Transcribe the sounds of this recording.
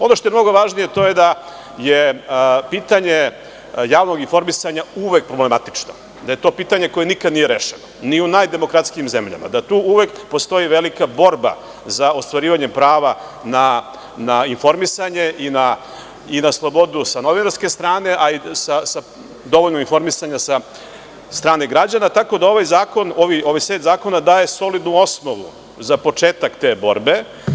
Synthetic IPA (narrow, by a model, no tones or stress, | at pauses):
o̞no̞ʃt̪ojemnoɡo̞ʋaʒnijet̪o̞je̞d̪a | jepiːt̪aɲe | jaːʋno̞ɡinfo̞ɾmisaɲauʋek̚pɾo̞ble̞mat̪i̥t͡ʂno | d̪aje̞t̪o̞ːpiːt̪aɲe̞ko̞je̞nikad̪nijeɾeʃenoniunajd̪e̞mo̞kɾat̪skijimzemʎa̰ma̰d̪at̪uːuʋekpo̞st̪o̞jiʋe̞likabo̞ɾba̰ | zaost̪ʋaɾiːʋaɲempɾaːʋa | na | nainfo̞ɾmisaɲe̞ʔina | inaslˠo̞bo̞d̪usano̞ʋinaɾske̞st̪ɾaːne̞ʔaisasa | d̪o̞ʋoʎnoinfo̞ɾmisaɲasa | st̪ɾaːne̞ɡɾad͡ʑanat̪ako̞d̪ao̞ʋajzaːko̞noʋio̞ʋajset̪zaːko̞nad̪aːje̞so̞lid̪nuo̞snoʋṵ | zapo̞t͡ʂeːt̪akt̪e̞ːbo̞̰ɾbe̞